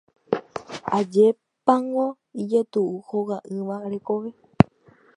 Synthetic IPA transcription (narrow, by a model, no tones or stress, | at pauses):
ad͡ʒe̞ | pãŋõ | id͡ʒet̪uʔuhowaʔɨ̃ʋaɾe̞koʋe̞